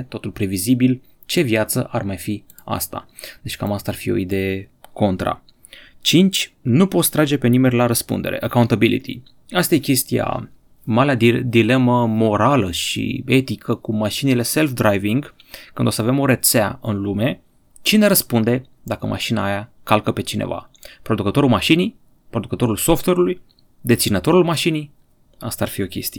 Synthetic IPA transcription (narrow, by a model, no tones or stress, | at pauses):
t̪o̞t̪ulpɾe̞vizibil | t͡ʃe̞vjat̪sə̰ʔarmajfi | a̰st̪a̰ | d̪et͡ʃʲkamast̪arfio̞̰id̪e̞je̞ko̞nt̪ɾa̰ | t͡ʃint͡ʃʲ | nupo̞t̪st̪ɾad͡ʒe̞pe̞nimenʲlaɾəspṵnd̪e̞ɾeʔəkawunt̪abilḭt̪ʰḭ | ast̪ajekʲe̞st̪ija̰ | malead̪ile̞məmo̞ɾaləʃḭe̞t̪ikʰəkumaʃinile̞se̞lfd̪ɾajviŋɡ | kɨnd̪o̞səave̞moɾe̞t̪sea̰ɨnlume̞ | t͡ʃine̞ɾəspund̪e̞ | d̪akəmʔa̰ʃinaːjakalkəpe̞t͡ʃinḛva̰pɾo̞d̪ukət̪o̞ɾulmaʃinij | pɾo̞d̪ukət̪o̞ɾulso̞ft̪weɾuluj | d̪e̞t̪sinət̪o̞ɾulmaʃinij | ast̪aarfio̞kʲe̞̰st̪ije